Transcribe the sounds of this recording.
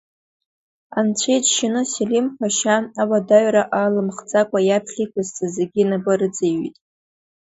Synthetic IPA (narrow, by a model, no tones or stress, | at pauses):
ant͡ɕʷʰejtʃɪnɨselimχʷaʃaawadaɥɾaʔalɨmχd͡zʼakʷʼajapʰɬʲijkʷʰazt͡sʼazeɡʲinabaɾɨd͡zeɥḭtʼ